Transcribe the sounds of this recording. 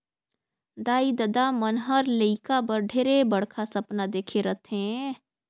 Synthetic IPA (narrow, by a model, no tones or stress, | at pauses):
d̪aːid̪ɐd̪amənɦəɾləikabɐɾɖʱeːɾebɐɽkʰasɐpnad̪eːkʰeɾɐt̪ʰẽ